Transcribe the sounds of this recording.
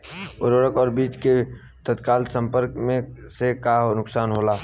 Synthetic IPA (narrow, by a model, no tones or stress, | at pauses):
ʊɾoɾəkɔːɾbiːt͡ʃke | t̪ət̪kaːlt̪sə̃mpəɾkmẽsekaɦnʊksaːnɦoːlaː